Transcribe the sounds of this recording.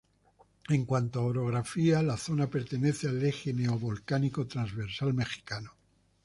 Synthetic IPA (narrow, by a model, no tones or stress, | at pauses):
e̞ŋkwant̪oaoɾo̞ɣ̞ɾafialaθo̞nape̞ɾt̪e̞ne̞θealexeneoβolkanikot̪ɾanzβeɾsalme̞xi̥kano